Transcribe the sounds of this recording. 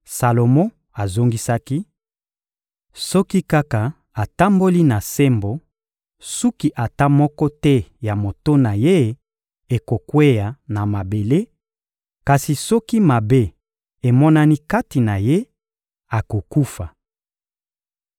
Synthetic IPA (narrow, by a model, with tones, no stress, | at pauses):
sa˨lo˨mo˦ | a˨zo˦ŋɡi˦sa˦ki˦ | sɔ˦ki˦ka˦ka˨ | a˨ta˦mbo˦li˦na˨se˦mbo˨ | su˦ki˦ʔa˨ta˦mɔ˦kɔ˦tɛ˦ja˨mo˨to˦na˨je˦ | e˨ko˨kwe˦ja˨na˨ma˨be˨le˦ | ka˨si˨sɔ˦ki˦ma˨be˦ | e˨mɔ˦na˦ni˦ka˦ti˨na˨je˦ | a˨ko˨ku˦fa˨